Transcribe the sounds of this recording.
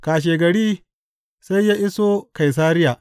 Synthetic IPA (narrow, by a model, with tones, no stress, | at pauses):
kaː˨ʃ̬eː˨ɡɐ˨ɽiː˦ | sa˦jːaː˦ʔɪ˦soː˦ka˨js̬aː˦ɾɪ˦jaː˨ʔ